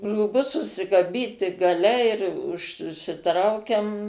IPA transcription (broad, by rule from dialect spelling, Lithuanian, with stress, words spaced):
ruːˈbʊs sʊsʲɪkɐˈbʲiːtʲɪ ɡɐˈlʲɛ ɪr ʊʃ ʊʃʲsʲɪˈtrɐʊkʲɛm